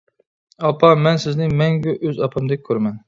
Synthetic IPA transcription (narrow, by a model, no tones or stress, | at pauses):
ɑpʰɑmɛnsɪznɪmɛŋɡʲɛʔøzɑpʰɨmd̪ɪk̚ʲʰːøɾmɛn